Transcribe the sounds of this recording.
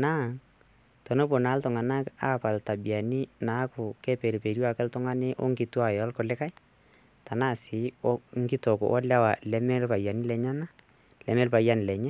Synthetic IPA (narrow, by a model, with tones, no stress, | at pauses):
na˦˨ | tɔ˨no˦po˨naː˨˦ltʊ˨ŋa˨na˦ka˦pa˨lta˨bi˨a˨ni˦na˨˦kʊ˨kɛ˦pe˨ɾi˨pe˨ɾja˦˨kɛ˦ltʊ˦ŋa˦ne˦ʔɔ̰˦ŋɡɪ˨˦twa˨jɔ˨˦lkɔ˨lɛ˦ka˦j | ta˨na˦˨sɪ˨˦ɔ˦ŋ̩˦ɡɪ˦tɔ˨kʊ̰˨ʔɔ˦lja˦wa˨lɛ˦mɛ˦lpa˨ja˨ni˦lɛ˨ɲa˦na˦ | lɛ˨mɛ˦lpa˨ja˦ni˨lɛ˨ɲɛ˦